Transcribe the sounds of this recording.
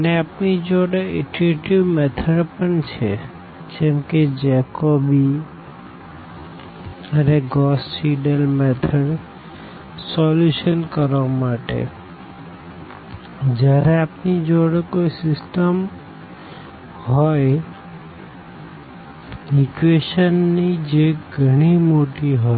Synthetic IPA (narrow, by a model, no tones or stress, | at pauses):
əneapnid͡ʒoɽeeʈɾeʈiʋmɛt̪ʰəɖpəɳt͡ʃʰe | d͡ʒɛ̃mked͡ʒɛkobi | əneɡɔsːiɖəlmɛt̪ʰəɽ | sɔluʃənkəɾʋamaʈḛ | d͡ʒaɾeapnid͡ʒoɽkoisɪsʈəm | ɦɔj | ɪkʋeʃənːid͡ʒeɡʱəɽ̃imoʈiɦɔ